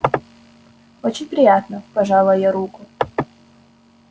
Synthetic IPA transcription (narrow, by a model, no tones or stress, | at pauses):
ot͡ɕɪnʲpɾʲɪjat̪nəpɐʐalˠəjaɾukʊ